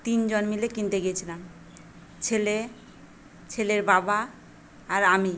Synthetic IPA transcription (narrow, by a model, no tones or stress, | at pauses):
t̪ind͡ʑonmilekint̪eɡijet͡ɕʰilam | t͡ɕʰele | t͡ɕʰeleɾbabaː | ɾami